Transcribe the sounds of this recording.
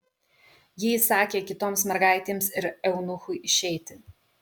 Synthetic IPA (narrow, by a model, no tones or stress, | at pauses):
jɪsɑːkʲeːkʲɪt̪oːmsmʲɛɾɡɑˑɪt̪ʲeːmsɪɾɛʊnʊxʊɪɪʃʲɛɪt̪ʲɪ